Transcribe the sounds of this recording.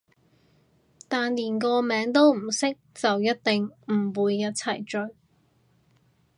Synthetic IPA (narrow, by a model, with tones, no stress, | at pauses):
t̪aː˨nliː˨˩nkɔː˧mɛː˨˥ŋt̪o˥wm̩˨˩sɪ˥k̚t͡sɐ˨wjɐ˥t̚t̪ɪ˨ŋm̩˨˩wuː˨˧jːɐ˥t̚t͡sʰɐ˨˩jt͡ʃɵ˧ɥ